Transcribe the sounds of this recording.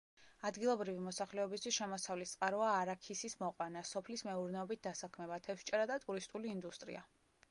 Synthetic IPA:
ad̪ɡilˠɔbɾivimɔsaχlɛɔbist̪ʰwisʃɛmɔsavlist̪sʼqʼaɾɔaːɾakʰisismɔqʼwanasɔpʰlismɛuɾnɛɔbit̪̚ʰd̪asakʰmɛbat̪ʰɛfʃt͡ʃʼɛɾad̪at̪ʼuɾist̪ʼuliːnd̪ust̪ʼɾḭa̰

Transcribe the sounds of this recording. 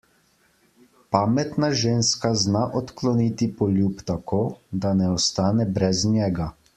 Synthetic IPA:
pamɛt̪naʒeːnskaznaʔɔt̪klɔnit̪ipɔljupt̪akoːd̪anɛɔst̪aːnɛbɾɛznjɛːɡa

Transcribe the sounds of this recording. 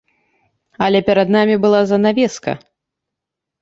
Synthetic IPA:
ɐlʲɛpʲɛɾɐd̪namʲibɨlˠazɐnavʲɛskɐ̰

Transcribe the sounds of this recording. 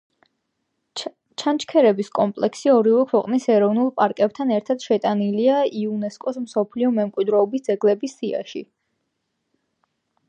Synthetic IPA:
t͡ʃʰant͡ʃʰkʰɛɾɛbiskʼɔmpʼlɛksiɔɾivɛkʰwɛqʼnisɛɾɔvnulˠpʼaɾkʼɛb̚t̪ʰanɛɾt̪ʰad̪̥ʃɛt̪ʼaniliaiunɛskʼɔsmsɔpʰliɔmɛmkʼwid̪ɾɛːbisd̪zɛɡlɛbisːia̰ʃi

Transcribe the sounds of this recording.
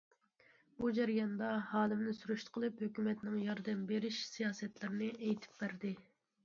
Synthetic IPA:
b̥ud͡ʒæɾijɑnd̪ɑhɑːlɪmnɪsyɾyʃt̪qʰəlˠɨphøkʲymɛt̪nɪŋjɑɾd̪ɛmbeɾiʃsijɑːsɛt̪lɪɾnɪʔɛjt̪ʰɪ̥p̚bæɾd̪ɪ

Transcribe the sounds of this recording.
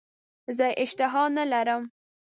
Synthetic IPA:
zəʔɪʃt̪ɪɦɑnalaɾəm

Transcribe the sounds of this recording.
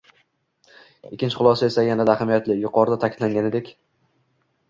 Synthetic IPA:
ɪkʲʰːɪnt͡ʃʰɪ̥χʊlˠɒsae̞sajanad̪ahamijat̪lɪjʊqɒɾɪd̪at̪ʰakʰʲɪd̪laŋɡʲaned̪ekʲ

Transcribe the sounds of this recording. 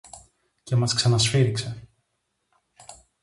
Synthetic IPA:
cɛmasksanasfiɾiksa

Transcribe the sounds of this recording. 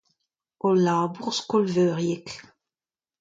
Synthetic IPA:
olaːbuʁskɔlvøːʁjɛk

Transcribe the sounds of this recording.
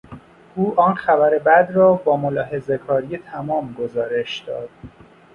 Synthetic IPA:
ʔuːʔɒːnxæbæɾe̞bæd̪rɒːbɒːmolɒːɦe̞zekʰɒːɾijet̪ʰæmɒːmɡo̞zɒːɾe̞ʃd̪̥ɒ̰ːd̪̥

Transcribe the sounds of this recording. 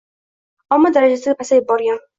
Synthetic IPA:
amːɒd̪aɾad͡ʒasɪɪpʰasajɪbːɒɾɡʲan

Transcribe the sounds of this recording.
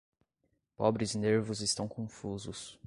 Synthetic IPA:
pɔbɾɪzneɾvʊzɪst̪ɐ̃w̃kõfuzʊs

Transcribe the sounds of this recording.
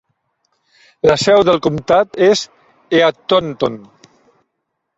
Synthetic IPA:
ləsɛwðəlˠkumt̪at̪ez | eat̪ont̪on

